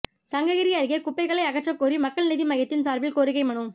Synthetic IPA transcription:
sɐŋɡɐɣɪɾɪjɐɾɣekʊpːɐɪɣɐɭɐɪɐɣɐʈrɐkːoːɾimɐkːɐɭnɪðimɐɣɐt̪ːɪnsaːɾbɪlkoːɾɪɣɐɪmɐɳɯm

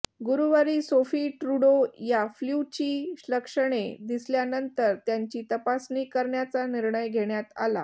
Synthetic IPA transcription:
ɡuɾuʋəɾiːsofiːʈɾuɽojaflut͡ɕiːɕləkʂəɽ̃ed̪isljanənt̪əɾt̪jaɲt͡ɕiːt̪əpasniːkəɾɳjat͡saniɾɳəjɡʱeɳjat̪a̰la̰

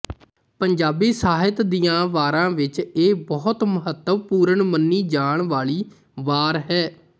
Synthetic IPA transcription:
pəɲd͡ʒaːbiːsaːɦɪt̪d̪iːãːʋaːɾãːʋɪt͡ʃeːbɔːt̪məɦət̪ːəʋpuːɾəɳmənːiːd͡ʒaːɳʋaːɭiː | ʋaːɾɦɛː

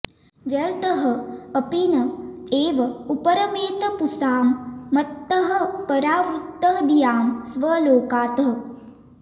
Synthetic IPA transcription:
ʋjɐɾt̪ɐɦɐ̆ːpinɐeːʋɐupɐɾɐmeːt̪ɐpusaːmːɐt̪ːɐɦɐ̆pɐɾaːʋɾut̪ːɐd̪ijaːmsʋɐloːkaːt̪ɐɦɐ

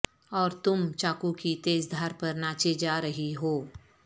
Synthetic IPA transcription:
ɔːɾt̪ʊmt͡ʃaːkukit̪eːsd̪ʱaːɾpɐɾnaːt͡ʃed͡ʒaːɾəɦiɦoː

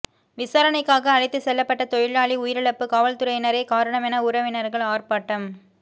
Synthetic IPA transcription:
ʋɪsaːɾɐnɐɪkːaːɣɐːɻɪt̪ːɯsɛlːɐpːɐʈːɐt̪ɔjɪɭaːɭiʊjɪɾɛɭɐpːɯkaːʋɐlt̪ɯɾɐjɪnɐɾɐɪkaːɾɐɳɐmɛnɐʊɾɐʋɪnɐɾɣɐɭaːrpaːʈːɐm

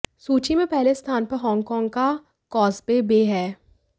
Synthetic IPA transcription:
suːt͡ʃimẽpɛɦlest̪ʰaːnpɐɾɦɔ̃ːŋɡkɔ̃ːŋɡka | kɔːsbebeːɦɛː

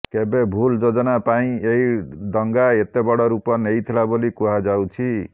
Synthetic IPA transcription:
kebebʱuld͡zod͡zɔnapaĩejd̪ʌŋɡaet̪ebɔɽɔɾupɔnejt̪ʰilabolikuɦad͡zawt͡ʃʰi

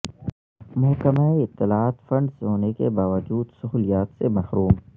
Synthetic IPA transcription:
mʊɦkəmaeɪt̪ːɪlaaːt̪fɐ̃ɳɖsɦoːnekebaːʋəd͡ʒuːd̪sʊɦuːlijaːt̪semɐhɾuːm

